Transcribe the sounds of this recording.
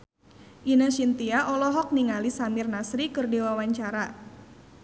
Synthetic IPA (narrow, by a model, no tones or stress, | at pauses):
ʔinaʃint̪iaʔɔlɔɦɔk̚niŋalisamɪrnasɾikɨrdewawaɲt͡ʃaɾa